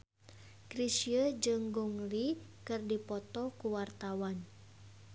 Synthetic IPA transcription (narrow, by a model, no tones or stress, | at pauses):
kɾisiəd͡ʒɨŋɡuŋlikɨrdipɔt̪ɔkuwart̪awan